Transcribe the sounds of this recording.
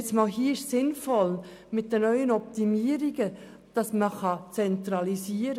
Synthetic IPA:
t͡smɑːlɦiːəɪʃsɪnfɔlmɪt̚d̥ənœʏənɔptimiːəɾiɡ̥ə | d̥ɑsməχɑt͡sɛnt̪ɾɑlisiːəɾə

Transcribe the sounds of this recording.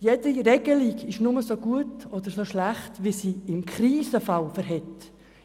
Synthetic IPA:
jɛdiɾɛɡəlikɪʃnʊməsoɡuətɔd̪əɾsoʃlæχtʋisiɪmkɾiːsəfɑlfəɾɦɛt

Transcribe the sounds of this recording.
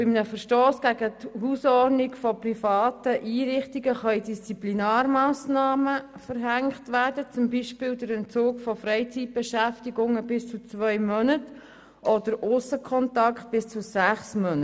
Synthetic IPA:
b̥ɪmnəfəɾʃtoːsɡ̥æɡəthuːsɔrdnɪkfɔprifɑːtəʔiːɾɪχtiɡəχɑidist͡siplinɑːɾmɑːsnɑːməfəɾɦæŋktʋæːrdət͡sʊmbiʃpɪːldəɾɛnt͡soːkfɔfɾɛɪt͡sit̚b̥ɛʃæftiɡʊŋəbɪst͡sut͡svʋœʏmœnət | ʔɔd̪əɾʊsəkʰɔntɑkt̚b̥ɪst͡susæχsmœnə

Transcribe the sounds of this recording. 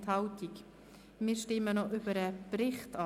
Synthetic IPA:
thɑʊtik | mɪːɾʃtɪmənɔʔʏbəɾəprɪχtɑ

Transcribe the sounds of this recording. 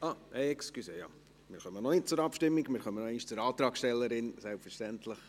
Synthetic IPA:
ʔɑɛɛkskyseːjɑ̰ː | mɪːɾχœmːənɔnɪt̚t͡sʊɾɑpʃtɪmːiɡmɪːɾχœmːənɛɪʃt͡sʊɾɑːt̪ɾɑːkʃtɛlːəɾɪnsɛlpfəɾʃtɛntləχ

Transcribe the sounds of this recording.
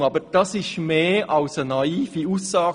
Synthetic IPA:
ɑbəɾd̥ɑsɪʃmeːɑlsənɑiːfiuːsːɑːɡ

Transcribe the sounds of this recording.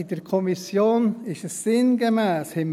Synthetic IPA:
ɪdəɾkʰɔmisjoːnɪʃəsːɪnɡəmɛːshɪm

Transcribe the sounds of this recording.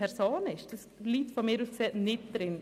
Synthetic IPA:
ɛɾsoːnɪʃd̥əsliːtfɔmɪːɾuskseːtnɪt̚d̥ɾɪn

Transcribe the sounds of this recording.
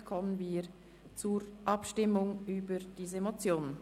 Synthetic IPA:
kʰɔmənviː | t͡suːɾʔɑpʃtɪmʊŋyːbəɾd̥iːzəmot͡sjoːn

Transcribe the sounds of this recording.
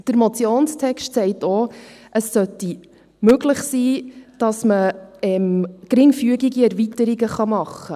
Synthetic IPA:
d̥əɾmot͡sjoːnstʰɛkʃtsɛɪtoʔəsːœti | møɡləχsiːd̥ɑsməɛmkɾɪŋfyəɡiɡiɛɾvitəɾiɡəχɑmɑχːə

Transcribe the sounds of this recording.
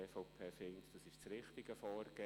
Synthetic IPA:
eːfoʊpʰeːfɪŋtd̥ɑsɪʃt͡sɾɪχtɪɡ̥əfɔːɾɡ̥e

